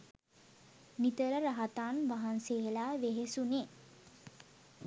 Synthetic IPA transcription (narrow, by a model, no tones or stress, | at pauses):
nit̪əɾəɾaɦat̪aːnʋaɦanseelaʋeɦesune